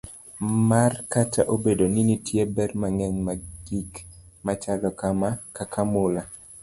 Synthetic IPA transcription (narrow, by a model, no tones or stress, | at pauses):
markatʰaʔobedoninitʰjebɛrmaŋɛɲmaɡ̥ikmat͡ʃalɔkamakakʰamola